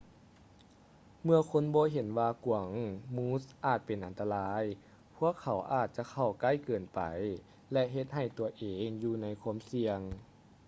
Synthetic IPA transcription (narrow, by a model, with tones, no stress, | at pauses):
mɯ˧əkʰo˧˥˨nbɔː˧˦ɦe˨˦nwaː˧ku˨˩ə˦ŋmuː˦˥sʔaː˨˩t̪̚pe˨˩nʔa˨nt̪a˧laː˧˥j | pʰu˧˥˩əkʰːa˨˦wʔaː˧˨˩t̪̚t͡ɕa˧˦kʰa˧˩wka˧˥˨jkɤː˨˩npa̰˨˩j | lɛ˧ɦe˧t̪̚ɦa˧˩jt̪u˨˧ɐʔeː˨˦ŋjuː˧na˧˥jkʰu˧˥əmsi˧əŋ